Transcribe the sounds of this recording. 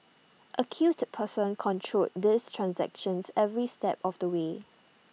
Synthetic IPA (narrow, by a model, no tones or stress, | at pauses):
ʔəkʰjuspʰəsə̃nkʰɔ̃ntʰɹotdistʰɹãnsɛ̰kʃə̃nsɛvɹistɛ̰pɔfdəwe